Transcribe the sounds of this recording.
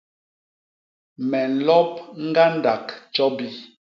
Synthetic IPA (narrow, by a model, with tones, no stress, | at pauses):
mɛ˨n̩˨lɔ˦p̚ŋ̩˦ɡa˦n˦da˨kt͡ʃɔ˦bi˦